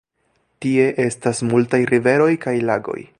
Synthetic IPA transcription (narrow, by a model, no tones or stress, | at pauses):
tie̞ʔe̞stasmultajɾive̞ɾo̞jkajlaɡo̞̰j